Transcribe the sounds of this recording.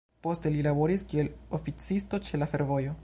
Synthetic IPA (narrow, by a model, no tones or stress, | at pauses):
po̞ste̞lilabo̞ɾiskie̞lofit͡sisto̞t͡ʃe̞lafe̞ɾvo̞jo̞